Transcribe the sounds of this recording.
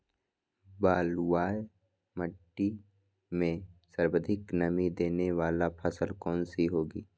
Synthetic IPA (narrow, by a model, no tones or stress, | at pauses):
baːlwaːj | məʈːi | mẽsəɾbəd̪ʱɪknəmid̪eːneʋaːlapʰəsəlkɔːnsiɦoːɡiː